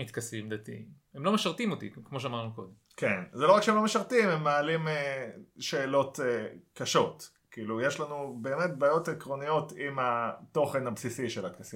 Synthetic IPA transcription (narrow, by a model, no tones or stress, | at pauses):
it̪kasimd̪at̪ḭ | emlo̞meʃaʁt̪imot̪ḭkmo̞ʃ̬eamaʁnuko̞d̪emkenzeloakʃeemlo̞meʃaʁt̪imemːaalimeʃe̞ːlo̞tekaʃo̞t | kiːlujeʃlanube̞ːme̞t̪̚baːjo̞tekʁo̞nijo̞t̪imato̞χe̞nhabsisiʃelat̪kasi